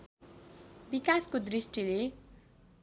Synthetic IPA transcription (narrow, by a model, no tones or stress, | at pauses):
bikaskod̪risʈile